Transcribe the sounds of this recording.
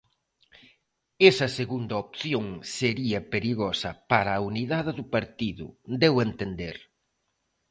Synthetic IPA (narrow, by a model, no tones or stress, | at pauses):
esɐseɣund̪ɐopθjoŋseɾiɐpeɾiɣɔsɐpaɾɐːuniðaðɪðʊpaɾt̪iðʊ̰d̪ewent̪end̪eɾ